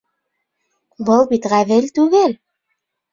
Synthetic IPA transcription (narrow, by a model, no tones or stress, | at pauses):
bɤ̆lˠbit̪ʁæβɘ̆lt̪ʉɣɘl